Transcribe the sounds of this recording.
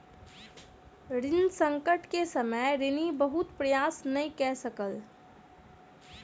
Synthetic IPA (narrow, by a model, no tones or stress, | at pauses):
ɾɪnsə̃ŋkəʈkesəməjɾɪnibəɦʊt̪pɾɐjaːsnɐĩkɛɦsəkəl